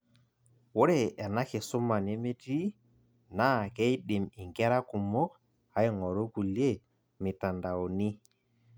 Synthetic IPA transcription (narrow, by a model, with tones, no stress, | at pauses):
wo˦ɾe˦˨ɛ˨na˦ke˨su˦ma˨ne˦me˦ti˦ | na˦˨kɛ˦jɗi˨mi˨ŋɡɛ˦ɾa˦ku˨mo˦k̚ | ha˦i˦ŋɔ˨ɾo˦ku˨lje˦˨ | mi˨ta˨nda˨o˨ni˦